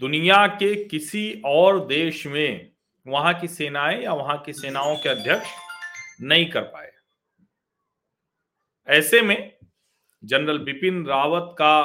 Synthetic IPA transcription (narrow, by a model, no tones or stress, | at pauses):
d̪ʊnijakekɪsiɔːɾd̪eːʃmẽ | ʋɐɦãkiseːnaːẽjaʋɐɦãkiseːnaːõkeɐd̪ʱjəkʃ | nɐɦĩkɐɾpa̰ːḛ | ɛːsemẽ | d͡ʒɐnɾəlʋɪpɪnɾaːʋət̪ka